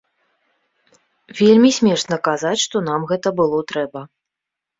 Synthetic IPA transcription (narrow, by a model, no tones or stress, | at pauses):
vʲelʲmʲisʲmʲɛʂnɐkazat͡sʲʂt̪ɔnamɣɛt̪ɐbɨlˠɔt̪ɾɛbɐ